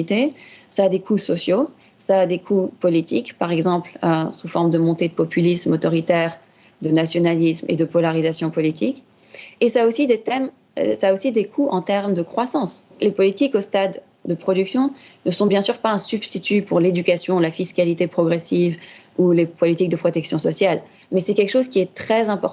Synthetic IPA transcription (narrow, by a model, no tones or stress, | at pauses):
it̪esaːd̪ekʰusɔsjo | saːd̪ekʰupɔlit̪ikpaʁɛɡzɑ̃pløsufɔʁmd̪əmɔ̃t̪ed̪əpɔpylismɔt̪ɔʁit̪ɛʁ | d̪ənasjɔnalismḛd̪əpɔlaʁizasjɔ̃pɔlit̪ʰik | esaosid̪et̪ɛm | saːosid̪ekʰuɑ̃t̪ɛʁmd̪əkχwasɑ̃s | lepɔlit̪ikost̪ad̪ː | əpχɔd̪yksjɔ̃nəsɔ̃bjɛ̃syʁpaɛ̃syb̥st̪it̪ypuʁled̪ykasjɔ̃lafiskalit̪epχɔɡʁesiv | ulepɔlit̪ik̚d̪əpχɔt̪ɛksjɔ̃sɔsjal | mɛsɛkʲɛlkə̥ʃozkʲiɛt̪χɛzɛ̃pɔʁt